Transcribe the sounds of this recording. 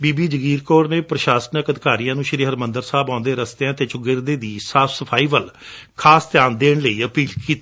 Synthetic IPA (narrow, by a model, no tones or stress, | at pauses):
biːbiːd͡ʒəɡiːɾkoːɾneːpɾəʃaːsənəkəd̪ɪkaːɾijãːnũːʃɪɾiːɦəɾmənd̪əɾsaːbãːnd̪eːɾəst̪eãːt̪eːt͡ʃʊɡɪɾd̪eːd̪iːsaːpʰsəpʰaːiːbəlkʰaːst̪jaːnd̪eːɳləiːəpiːlkiːt̪ː